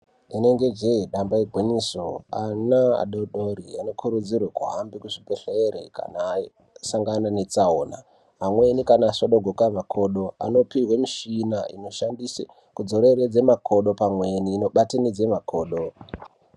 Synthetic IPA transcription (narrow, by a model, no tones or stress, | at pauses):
ine̞ŋɡe̞d͡ʒeɗambaiɡʱweɲisoanaa̰ɗoɗoɾiano̞kʰuɾud͡zirwekuɦambikuʐibeɬeeɾḛka̰naː | saŋɡananet͡saoːna | ɦamwe̞nikanaːsoɗoɡʱokamakʰoːɗo̞a̰no̞pirwemiʃinaḭno̞ʃandisḛ | kud͡zo̞ɾeɾed͡zemakʰoɗo̞pamwe̞niːno̞ɓatenid͡ze̞makʰoːɗo